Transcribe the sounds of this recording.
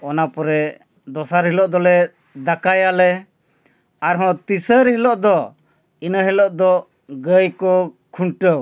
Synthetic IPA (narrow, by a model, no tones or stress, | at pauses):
ɔnapɔɾɛ | d̪ɔsaɾɦilɔʔd̪ɔlɛ | d̪akajalɛ | aɾɦɔ̃t̪isəɾɦilɔʔd̪ɔ | inəɦɛlɔʔd̪ɔ | ɡəjkɔkʰuɳʈəw